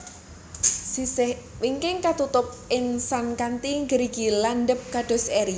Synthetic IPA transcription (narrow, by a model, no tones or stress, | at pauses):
sisɪh | wiŋkɪŋkat̪ut̪ʊp̚ʔɪŋsankant̪iŋɡəɾiɡ̥ilanɖəp̚kaɖ̥ɔ̤sɛɾi